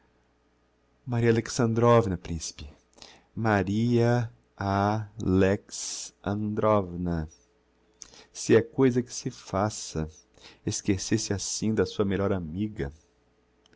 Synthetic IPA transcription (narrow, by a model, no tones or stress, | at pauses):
maɾiɐaleksɐ̃nd̪ɾɔvnɐpɾĩsi̥pɪ | maɾiɐ | aleksɐ̃nd̪ɾɔvnɐ | sɪɛkojzɐkɪ̥sɪfasɐ | eskesesɪasĩd̪ɐsuɐmeʎɔɾamiɡɐ